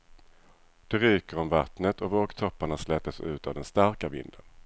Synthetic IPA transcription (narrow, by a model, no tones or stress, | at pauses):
d̪̥ɛɾyːkəɾɔmvat̪nət̪ʰɔvoːɡt̪ʰɔpːaɳaslɛt̪əsʉ̟ːt̪avd̪ɛnst̪aɾkavɪ̰nd̪ə̰n